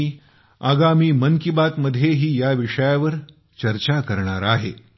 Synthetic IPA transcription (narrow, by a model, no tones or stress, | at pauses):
i | aɡamiːməŋkibat̪məd̪ʱːjeɦiːjaʋiʂəjaʋəɾ | t͡ɕəɾt͡ɕakəɾɳaɾaɦḛ